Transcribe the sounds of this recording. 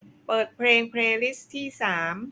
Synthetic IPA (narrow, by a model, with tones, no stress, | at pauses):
pɤː˨˩t̪̚pʰleː˧ŋpʰɾeː˧li˦˥st̪ʰiː˥˩saː˩˦m